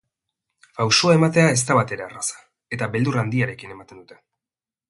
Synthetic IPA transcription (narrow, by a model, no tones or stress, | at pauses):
fawsoae̞mat̪e̞ae̞s̬t̪aβat̪e̞ɾe̞arasḁ | e̞t̪abe̞ld̪urand̪iaɾe̞kine̞mat̪e̞nd̪ut̪e̞